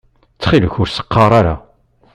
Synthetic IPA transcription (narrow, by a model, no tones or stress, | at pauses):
t͡sːχiləçʊɾsə̥qːɑɾˤaɾa̰